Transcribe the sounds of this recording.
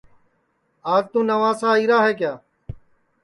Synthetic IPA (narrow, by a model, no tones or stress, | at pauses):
aːzt̪ũːnəʋaːsãːiːɾaːɦeːk̬jaː